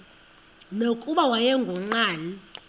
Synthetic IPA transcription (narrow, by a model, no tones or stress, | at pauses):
nokʼuɓawajɛŋɡʱɔŋ͡ǀaːni